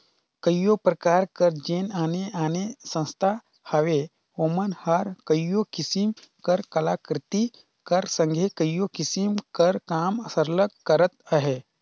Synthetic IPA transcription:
kəjjopɾəkaːɾkəɾd͡ʒeːnaːneʔaːnesə̃nst̪ʰa | hɐʋe | oːmənhəɾkəjjokɪsimkəɾkɐlaːkɾɪt̪i | kəɾsə̃ŋɡʱekəjjokɪsimkəɾkaːməsəɾləɡkəɾət̪̚əɦe

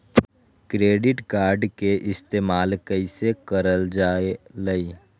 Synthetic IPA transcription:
kɾeːɖɪʈkaːɾɖkeʔɪst̪eːmaːlkəisekəɾəld͡ʒaːeləi

